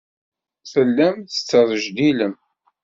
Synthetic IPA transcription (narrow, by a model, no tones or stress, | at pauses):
θəlːæmθə̥t͡sːəðˤəʒd̪iləm